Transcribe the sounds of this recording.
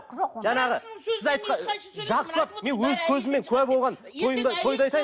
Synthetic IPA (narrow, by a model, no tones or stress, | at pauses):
ʒɑnɑʁəsɪzɑjt̪qɑʒɑqsəlˠɑp̚me̞nwɵzkʲʰɵzɪmːe̞ŋkʲʰɵæbo̞lˠʁɑnt̪ʰo̞jənd̪ɑt̪ʰo̞jd̪ɑjt̪ɑj